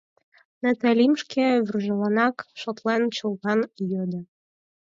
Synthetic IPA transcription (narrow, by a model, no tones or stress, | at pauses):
næt̪ælʲimʃkʰeβyrʒɤ̆lɑnɑkʃot̪lent͡ɕulˠɣɑnjød̪ə̆